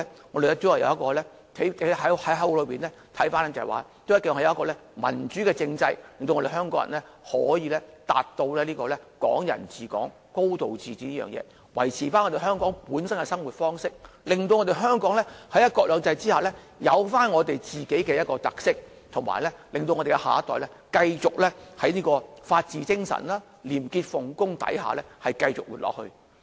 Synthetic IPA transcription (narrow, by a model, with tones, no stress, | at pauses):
ŋɔː˨˧te˨˩ɛ˥tt͡so˨˥wɐ˨jɐ̰˨˧wjɐ˥tkɔː˧lɛː˥ | t̪ʰe˨˥˨ɦɐ˨˥hɐ˨˥jɦɐ˨˥wlɵ˨˧ɥpiː˨nlɛ˥ | t̪ʰɐ˨˥jfaː˥nɛ˥t͡sɐ˨˩wa̰ː˨t̪o˥jɐ˥kɛː˧˨hɐ˨˥jɐ˨˧˦ɐ˥kɔː˧lɛː˥mɐ̰˨˩nt͡ʃyː˨˥kɛː˧t͡sɪ˧ŋt͡sɐ˧jlɪ˨ŋt̪o˧wŋɔ˧e˨˩ɦœː˥ŋkɔː˨˥ŋ̰ːɐ̰˨˩nlɛ˥ | hɔ̰ː˨˥jiː˨˧lɛ˥t̪a̰ː˨tt̪o˧wlɛː˥liː˥kɔː˧lɛ˥kɔ̰ː˨˥ŋjɐ̰˨˩nt͡siː˨˩kɔ̰ː˨˥ŋ | ko˥wt̪o˨wt͡siː˨t͡siː˨˥niː˥jœ̰ː˨ŋjɛ̰ː˨˧˦ | wɐ̰˨˩jt͡sʰiː˨˩faː˥nŋɔː˨˧te˨jɦœː˥ŋkɔː˨˥ŋpuː˨˥nsɐ˥nkɛ˧sɐ˥ŋwuː˨t̚fɔː˥ŋsɪ˥k̚ | lɪ˨ŋt̪o˧wŋɔ˧t̪e˨˩jɦœː˥ŋkɔː˨˥ŋlɛ˥hɐ˨˥jɐ˥t̚kɔː˧k̚lœː˨˧ŋt͡sɐ˧jt͡siː˥haː˨˩lɛ˥ | jɐ˨˧wfaː˥nŋɔː˨˧t̪e˨jt͡siː˨ke˨˥jkɛː˧jɐ˥t̚kɔː˧t̪ɐ˨k̚sɪ˥k̚ | t̪ʰʊ˨˩ma̰ː˨˩lɛ˥lɪ˨ŋt̪o˧wŋɔ˧te˨˩kɛ˧ha̰ː˨˦t̪ɔː˨˩jlɛ˥kɐ˧jt͡sʊ˨k̚lɛ˥hɐ˨˥jniː˥kɔː˧faː˧t̚t͡siː˨˧t͡sɪ˥ŋsɐ̰˨˩nlaː˥ | liː˨˩mkiː˧t̚fʊ˨˩ŋkʊ˥ŋt̪ɐ̰˨˥jɦa̰ː˨˩lɛ˥hɐ˨jkɐ˧jt͡sʊ̰˨k̚wṵː˨˧t̚lɔ̰ː˨k̚hɵ̰˧